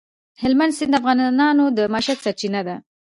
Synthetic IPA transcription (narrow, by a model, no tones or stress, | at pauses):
hɪlmand̪sɪnd̪əafɣɑnɑnod̪əmaʃad̪saɾt͡ʃinad̪a